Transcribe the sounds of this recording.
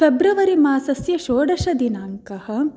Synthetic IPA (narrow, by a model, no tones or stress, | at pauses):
febɾɐʋɐɾimaːsɐsjɐʃoːɽɐʃɐd̪inaːŋkɐhɐ̆